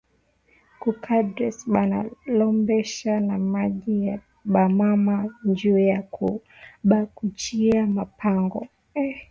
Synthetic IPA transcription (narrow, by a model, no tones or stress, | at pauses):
kukʰadɾɛsɓana̰lɔmbɛʃanamaʄija | ɓamamaɲd͡ʒujakʰu | ɓakut͡ʃiamapʰaŋɡɔ